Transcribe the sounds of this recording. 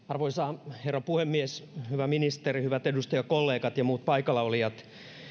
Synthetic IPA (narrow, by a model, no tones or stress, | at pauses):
ɑrʋoisɑːherːɑpuhemːieshyʋæminist̪erihyʋæt̪edust̪ɑjɑkolːeːkɑt̪jɑmuːt̪̚pɑikɑlɑoliɑt̪